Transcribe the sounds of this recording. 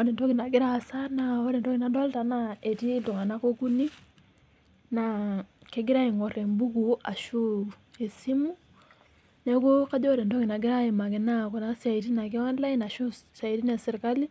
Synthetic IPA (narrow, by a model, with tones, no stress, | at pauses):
ɔ˨dɛ˨ntɔ˦kɪ˨na˨ɡɪ˦ɾa˦˨sa˦na˨o˦ɾɛ˨ndɔ˦kɪ˨na˨˦ndɔ˦lta˨na˦e˨ti˦do˨ŋa˨na˦ko˦ku˦ni˦ | na˨ke˦ɡɪ˦ɾa˦i˨ŋɔ˨ɾɛ˨mbu˦ku˨a̰˨ʃu˦e˨si˦mu˦ | nɛ˦ko˦ka˦d͡ʒɔ˦o˦ɾɛ˨ndɔ˦kɪ˨na˨ɡɪ˦ɾa˦e˨ma˨kɪ˨na˦kɔ˨na˨sa˨i˨ti˦na˨k̬e˦wa˦nla˦i˦na˨ʃu˦sa˨i˨ti˦ne˨sɪ˨ɾka˦li˦